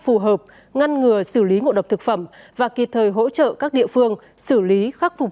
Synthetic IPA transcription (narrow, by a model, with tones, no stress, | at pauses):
fu˨˩ɦəː˨˩p̚ | ŋa˧nŋɨ˨˩əsɨː˧˩li˨˦ŋo̰˧˨ɗə˨˩w̚t̪ʰɨ˨˩k̚fə˧˩m | vaː˨˩ki˨˩p̚t̪ʰəː˨˩jɦo̰˧˥t͡ɕə̰ː˧˨kaː˦˥k̚ɗḭ˧˨əfɨ˧əŋ | sɨ˧˩li˨˦xa˦˥k̚fʊ˨˩